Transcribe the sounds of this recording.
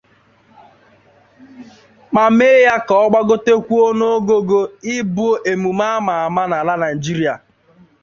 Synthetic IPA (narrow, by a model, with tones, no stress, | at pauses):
ma˨me˦ja˦kɔ˨ɔ˦ɡ͡ba˦ɡʊ˦te˦kʷu˦o˦no˦o˦ɡo˦ɡo˦ɪ˦bo˦ʔe˨mu˨ma˦ma˨a˨ma˦na˨la˦na˨i˨d͡ʒi˦ɾi˦a˨